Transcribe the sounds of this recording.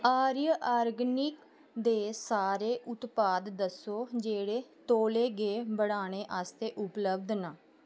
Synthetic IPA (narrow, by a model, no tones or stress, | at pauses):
aːɾjəʔaːɾɡnɪk | d̪eːsaːɾeːʔʊt̪paːd̪ːəsoːd͡ʒeːɽeːt̪oːleːɡeːbəɽaːɽ̃eːʔaːst̪eːʔʊpləbd̪naː